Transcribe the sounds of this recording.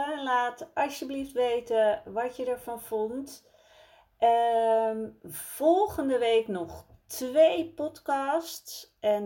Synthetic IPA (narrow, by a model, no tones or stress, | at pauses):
ɛnlaːtɑsjəbliftʋejtəʋatjədəɹfɔnfɔnt | ə | fɔlˠɣəndəʋeːknɔxtʰʋeːpɔtkɑstsɛn